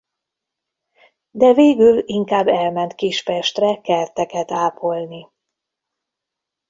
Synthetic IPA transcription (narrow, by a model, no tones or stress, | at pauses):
d̪ɛveːɡyliŋkaːbːɛlmɛnt̪kiʃpɛʃt̪rɛkɛrt̪ɛkɛt̪aːpʰo̞lni